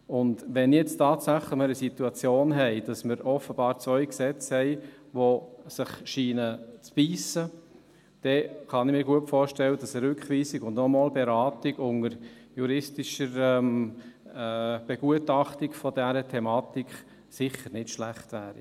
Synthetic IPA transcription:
ʊndʋɛnjɛt͡stɑːtsæχləməɾəsituɑt͡sjoːnɦɛɪd̥ɑsməɾɔfəb̥ɑːɾt͡svœʏksɛt͡shɛɪ | ʋosɪχʃiːnət͡sb̥iːsə | d̥ɛχɑnɪmiːɾɡuəpfɔːɾʃtɛlːəd̥ɑsəɾʏkχʋiːsiɡʊndnɔmɔːlbɛɾɑːtiɡʊŋəɾ | juɾɪstiʃəɾɛmː | b̥ɛɡ̥uətɑχtikfɔdæɾətʰɛmɑːtikχ | sɪχəɾnɪtʃlæχtʋæːɾḭ

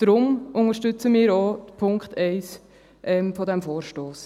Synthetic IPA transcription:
d̥ɾʊmʊŋəɾʃtʏt͡səmɪːɾopʰʊŋkχt̪ʰɛɪs | ʔɛmfɔdɛmfoːɾʃtoːs

